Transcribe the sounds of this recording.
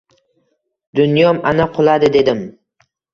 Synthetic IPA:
d̪̥ʊnjɒmanaqʰʊlˠad̪ɪd̪e̞d̪ɪm

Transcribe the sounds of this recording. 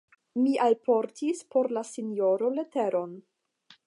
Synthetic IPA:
miʔalpʰo̞ɾtʰispo̞ɾlasinjo̞ɾo̞le̞te̞ɾo̞n

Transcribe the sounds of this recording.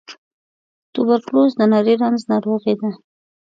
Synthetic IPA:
t̪ʊbaɾklozd̪ənɑɾeɾanznɑɾoɣed̪a

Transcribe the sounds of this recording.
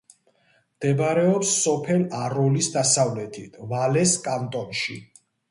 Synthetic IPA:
md̪̥ɛbaɾɛɔpsːɔpʰɛlaɾɔlisd̪asavlɛt̪ʰit̪ʰvalɛskʼant̪ʼɔnʃi

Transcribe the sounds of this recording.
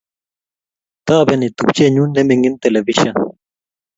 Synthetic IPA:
t̪aːbenit̪up̚t͡ɕeɲunːemeŋɡint̪elɐviɕɐ

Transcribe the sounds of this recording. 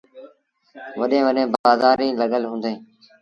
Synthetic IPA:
ʋəɗẽːʋəɗẽːbaːzaːɾĩːləɠəlɦũːnd̪eẽː

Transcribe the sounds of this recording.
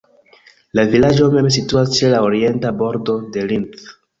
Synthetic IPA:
lavilad͡ʒo̞me̞ms̬ituast͡ʃelaoɾie̞ntabo̞ɾdo̞de̞linθ

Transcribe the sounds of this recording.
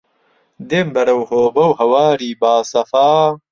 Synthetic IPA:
d̪embɐɾɐwhoːbɐwɦɐwaːɾiːbaːsɐfaː

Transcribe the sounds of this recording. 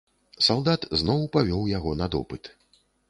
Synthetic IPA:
salˠd̪at̪znɔwpavʲɔwjaɣɔnɐd̪ɔ̰pɨt̪

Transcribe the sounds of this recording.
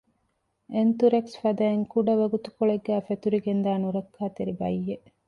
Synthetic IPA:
ent̪uɾeksfɐd̪ɐeŋkuɖɐʋɐɡut̪u̥koɭeɡːæːfet̪uɾiɡend̪aːnuɾɐkːaːt̪eɾibɐjːeʔ

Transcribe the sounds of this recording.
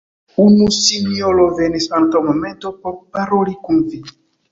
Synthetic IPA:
unusiniolovenesaŋkawmomẽntopoɾpaɾolikunvi

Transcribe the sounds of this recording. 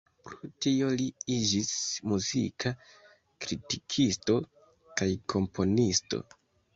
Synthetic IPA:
pɾotio̞liid͡ʒismuzḭkʰa | kɾitikʰisto̞ | kajkʰo̞mpʰo̞nisto̞̰

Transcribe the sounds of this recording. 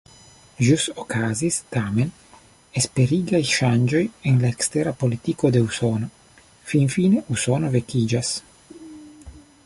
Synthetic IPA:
ʒusokazist̪aːmen | espeɾiːɡajʃand͡ʒojenlaekst̪eɾapolit̪ikod̪eusoːno | finfiːneusonovekid͡ʒas

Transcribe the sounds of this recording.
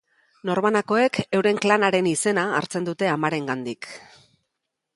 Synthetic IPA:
no̞ɾmanako̞e̞ke̞wɾe̞ŋklanaɾe̞nise̞na̰ːɾt͡se̞nd̪ut̪e̞amaɾe̞ŋɡand̪ik

